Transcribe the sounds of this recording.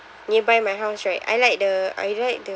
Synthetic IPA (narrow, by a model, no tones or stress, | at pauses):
nibajmajɦaʊsɹajta̰jlajk̚dəa̰jlajk̚də